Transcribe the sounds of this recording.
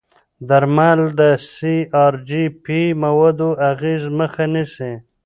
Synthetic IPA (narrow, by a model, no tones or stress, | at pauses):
d̪aɾmald̪əsiɑɾd͡ʒipimawad̪oʔaɣezməxanɪsi